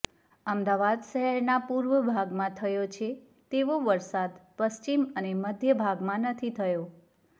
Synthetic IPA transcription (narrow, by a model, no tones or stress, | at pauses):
əmd̪aʋad̪ʃəɦɛɾnapuɾʋəbʱaɡmãt̪ʰəjot͡ʃʰe | t̪eʋoʋəɾsad̪pəʃt͡ʃiməneməd̪ʱjəbʱaɡmãnət̪ʰit̪ʰəjo